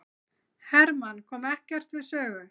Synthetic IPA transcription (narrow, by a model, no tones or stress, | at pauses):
hɛɾmankʰɔːmɛhcɛr̥t̪vɪðsœːɣʏ